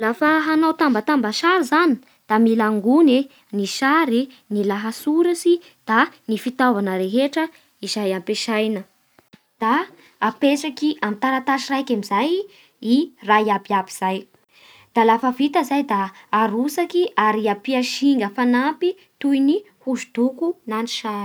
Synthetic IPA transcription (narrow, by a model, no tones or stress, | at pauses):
lafəɦanawt̪ambat̪ambaʃaɾizani̥ | d̪̥amilaŋɡune | niʃaɾi | nilaɦasuɾasi | d̪̥anifit̪avanəɾeɦeʈ͡ʂə | izajampeʃajnə | d̪̥aː | pesakiʔamit̪aɾat̪aʃirajkamizaj | iraiabiabiz̥aj | d̪̥alafavit̪əzajd̪aːɾusakiʔaɾiapiaʃiŋɡəfanampi | t̪ujni | huzud̪̥ukunani̥ʃaɾ